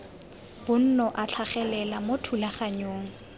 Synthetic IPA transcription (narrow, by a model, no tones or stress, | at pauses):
b̥ʊn̩nɔʔat͡ɬʰaχɛlɛlamotʰulaχaɲoːŋ̩